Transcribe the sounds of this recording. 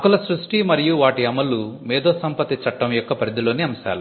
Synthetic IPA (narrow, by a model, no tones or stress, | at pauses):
kulɐsɾuʂʈimɐɾijuʋaːʈiɐmɐlːumɛːd̪oːsɐmpɐt̪it͡ʃɐʈːɐmjɔkːɐpɐɾid̪ilo̞ːniɐmɐsa̰ːlu